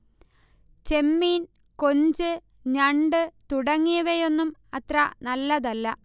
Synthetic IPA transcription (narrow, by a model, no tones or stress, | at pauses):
t͡ɕe̞mːiːn | ko̞ɲd͡ʑɨ | ɲɐɳɖɨt̪uɽɐŋːijɐʋejo̞nːumɐt̪rɐnɐlːɐðɐlːɐ